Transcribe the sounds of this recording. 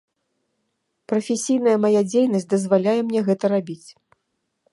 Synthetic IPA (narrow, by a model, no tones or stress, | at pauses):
pɾɐfʲesʲijnɐjɐmajad͡zʲejn̪ɐsʲtʲd̪ɐzvalʲajɛmnʲɛɣɛt̪ɐɾabʲit͡sʲ